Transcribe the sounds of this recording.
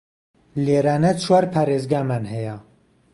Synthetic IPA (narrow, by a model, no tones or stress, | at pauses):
leːɾaːnɛt͡ʃʰwaɾpʰaɾezɡaːmanhɛja